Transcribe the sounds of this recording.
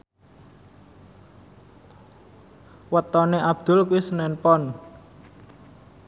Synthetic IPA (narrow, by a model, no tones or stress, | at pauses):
wət̪ɔneʔab̥̚d̪̥ʊ̤lkuisənɛnpɔn